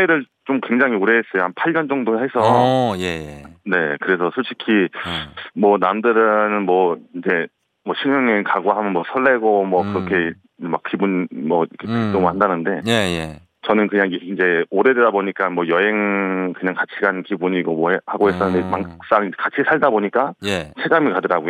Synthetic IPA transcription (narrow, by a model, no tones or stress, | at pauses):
eɾɯɭt͡ɕomkwe̞ŋd͡ʑaŋioɾeɦes͈ʌjohanpʰaɭɲʌnd͡ʑʌŋdoɦe̞sʰʌjene̞kɯɾe̞sʰʌsʰoɭɕʰi̥kʰi | mwʌnamdɯɾɯnnmwʌind͡ʑe̞ | mwʌɕʰinjʌŋekaɡoɦamjʌnmwʌsʰʌɭːe̞ɡomwʌkɯɾʌkʰe̞ | mak̚k͈ibunmʌkʰkʰit͈omɭhandanɯnde̞je | t͡ɕʌnɯnkɯɲaŋind͡ʑe̞oɾe̞dedaboɲik͈amwʌjʌɦe̞ŋkɯɲaŋkat͡ɕʰiɡankibuɲiɡʌmwʌehaɡoɦe̞s͈ʰʌnemaŋks͈aŋikat͡ɕʰisʰaɭdaboɲik͈aet͡ɕʰeɡamikadɯɾaɡoj